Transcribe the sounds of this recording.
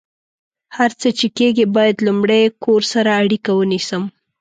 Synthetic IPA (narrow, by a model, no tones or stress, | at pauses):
haɾt͡sət͡ʃekeɡibɑjad̪lumɽejkʰoɾsaɾaːɽikawənisəm